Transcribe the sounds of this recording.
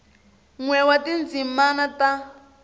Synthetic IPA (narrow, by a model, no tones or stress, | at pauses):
ŋwɛwatind͡zimanata